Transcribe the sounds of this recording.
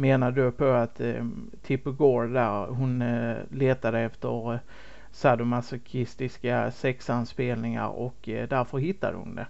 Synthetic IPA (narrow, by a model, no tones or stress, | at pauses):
meːnad̪ɵpʰɔat̪ʰː | ɪpːəɡoːɾd̪æɾɦʊnleːt̪ad̪əɛft̪əɾ | sad̪ʊmasɔkʰɪst̪ɪskasɛksanspeːlnɪŋa̰ɾɔ̰kd̪æɾfœɾɦɪt̪ːa̰d̪ə̰hʊ̰nd̪ɛ̰